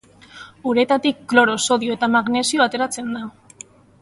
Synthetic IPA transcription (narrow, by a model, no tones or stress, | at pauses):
uɾet̪at̪ikːlo̞ɾo̞so̞ðio̞e̞t̪amaɣne̞sioat̪e̞ɾat͡se̞nd̪a